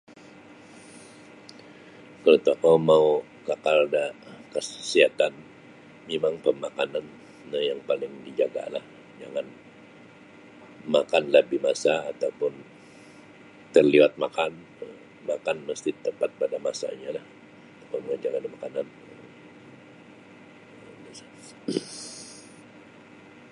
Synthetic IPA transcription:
kənət̪akawmau | kakaldakəsəsiat̪an | memaŋpəmakananː | əjaŋpalɪŋdid͡ʒaɡa̰la̰h | d͡ʒaŋan | makanləbihmasaːt̪apʊn | t̪ərliwat̪̚makan | ə | makanməst̪it̪əpat̪̚padamasa̰ɲalah | takaməŋand͡ʒaɡanimakanan | ə | əsa

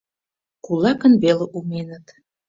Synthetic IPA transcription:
kulˠɑkənβeleʔumenət̪

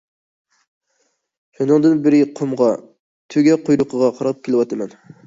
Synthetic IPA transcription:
ʃunɨŋd̪ɨnbɪɾɪqʰomʁɑ | t̪ʰøɡʲɛqʰojɾʊqʰəʁɑqʰɑɾɑp̚kʲelˠɪwɑt̪ʰɨmɛn

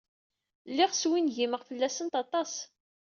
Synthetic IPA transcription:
lːiʁswinʝiməʁfəlːæsənt̪ɑt̪ˤɑs

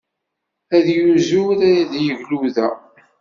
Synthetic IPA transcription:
æðjuzuɾæjæðjəʝluðæ

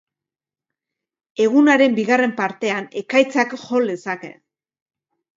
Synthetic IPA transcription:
e̞ɣ̞unaɾe̞mbiɣare̞mpaɾt̪e̞ane̞kajt͡sakxo̞ld̪e̞sake̞̰

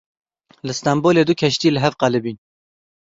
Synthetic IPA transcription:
lɨst̪ɑmboːleːd̪ʊkʰɛʃt̪iːlɨɦɛvqɑlɨbiːn

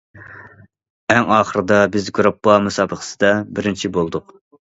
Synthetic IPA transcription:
æŋɑːχəɾɨd̪ɑbɪzɡuɾɑpːɑmusɑːbəχə̥sɨd̪ɑbɪɾɪnt͡ʃʰibolˠd̪ʊq

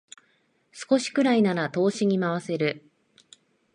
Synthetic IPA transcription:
sɨ̥ko̞ɕi̥kɯ̟ɾainaɾat̪o̞ːɕiɲ̟imaβ̞ase̞ɾɯ̟

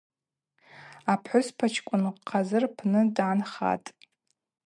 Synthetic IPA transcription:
apʰħʷʊspʰat͡ʃʰkʷʼʊnqʰːazɨrpʰnɨdanχa̰tʼ

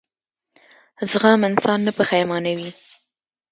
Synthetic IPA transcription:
zɣamɪnsɑnːəpəxajmɑnawi

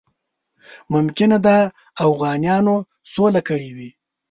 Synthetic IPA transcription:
mʊmkɪnad̪a | afɣɑːnjɑno | solakəɽiwi

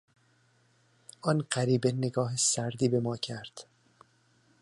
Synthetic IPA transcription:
ʔɒːnɢæɾiːbeneɡɒːɦesæɾd̪iːbe̞mɒːcʰæɾd̪̥

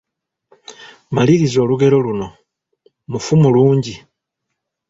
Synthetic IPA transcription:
maliɾizo̞ːluɡe̞ɾo̞luno̞ | mufumuluːɲɟi

